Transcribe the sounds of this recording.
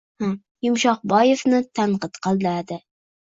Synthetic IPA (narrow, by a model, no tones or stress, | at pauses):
ha | jʊmʃɒq̚bɒjefnɪt̪ʰaɴqɨt̪qʰɑlˠd̪aad̪ɪ